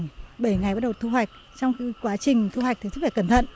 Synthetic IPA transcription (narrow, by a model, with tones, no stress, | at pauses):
ŋɓəː˧˩jŋa˨˩jɓa˦˥ɗt̪ʰu˧hwa˨˩jk̟̚ | t͡ɕɔ˧wŋ͡mxi˨˧˦kwaː˨˦t͡ɕï˨˩ŋ̟t̪ʰu˧wa˨˩jk̚t̪ɨ˨˩s̬̚faː˨˧˩kə˧˩mt̪ʰə̰˧˨nʔ